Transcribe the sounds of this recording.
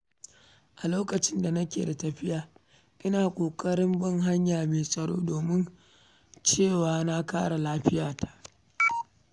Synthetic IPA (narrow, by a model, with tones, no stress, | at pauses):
ʔa˨loː˦kɐ˨t͡ʃɪ˦nda˨nɐ˦kʲḛː˨da˨tɐ˨ɸɪ˦jaː˨ | ʔɪ˦naː˨kʷʼoː˨kʼɐ˦ɽɪ˦mbɐ˦ŋɦa˦ɲjaː˨meː˨sʼɐ˨ɽo̰ː˦doː˨mɪ˦n | t͡ʃeː˦˨waː˨na˦ka̰ː˦ɽa˨laː˦ɸɪ˦jaː˨tḁ˨ʔ